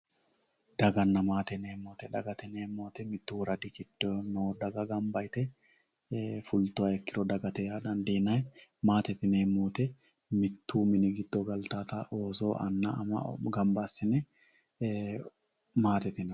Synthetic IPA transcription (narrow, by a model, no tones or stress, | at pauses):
d̪ɐɡɐnːɐmaːt̪ɛneːmoːt̪ɛᶑɐɡɐt̪ɛneːmːoːt̪ɛmɪt̪ːuːɾɐd̪ɪkɪd̪̥ːɔnod̪ɐɡɐɡɐmbɐjt̪ɛ | fʊlt̪ʊɐɛkːɪɾɔd̪ɐɡɐt̪ɛjad̪ɐnd̪eːnɐjɛmaːt̪ɛt̪ɪneːmːoːt̪ɛ | mɪt̪ːuːmɪnɪɡɪd̪̥ːoɡɐlt̪aːt̪aʔoːsoːʔɐnːɐ̰ɐ̰mɐ̰ɡɐmbaːsɪnɛ | maːt̪ɛt̪ɪn